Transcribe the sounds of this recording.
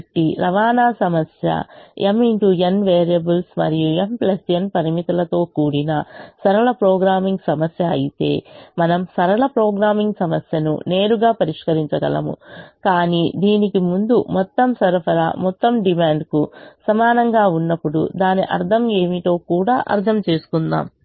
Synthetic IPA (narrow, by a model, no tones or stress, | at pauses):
ʈːiɾɐʋaːnaːsɐmɐsjɐ̰emiɳʈuenʋeːɾijɐbulsmɐ̰ɾijuemplɐsjɐnpɐɾimit̪ɐlɐt̪o̞ːkuːɽinɐsɐɾɐɭɐpɾɔːɡɾaːmiŋɡsɐmɐsjɐ̰ːjit̪e̞̰ːmɐnɐmsɐɾɐɭɐpɾɔːɡɾaːmiŋɡsɐmɐsjɐnṵne̞ːɾuɡaːpɐɾiʂkɐɾiɲt͡ʃɐɡɐ̰lɐ̰mṵkaːniːd̪iːnikimund̪umɔt̪ːɐmsɐɾpʰɐɾa̰mɔt̪ːɐmɖimaːɳɖkusɐmaːnɐŋɡaːunːɐpːuɽṵd̪aːniʔɐ̰ɾt̪ʰɐme̞ːmiʈ̪o̞ːkuːɽaːʔɐ̰ɾt̪ʰɐmt͡ʃe̞ːsu̥kund̪a̰ːm